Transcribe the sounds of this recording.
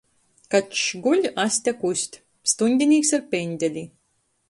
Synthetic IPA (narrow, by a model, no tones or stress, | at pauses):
kat̪ʃɡulʲasʲt̪ʲakusʲt̪ʲ | st̪unʲd̪ʲinʲiːksaɾpʲenʲd̪ʲɛlʲi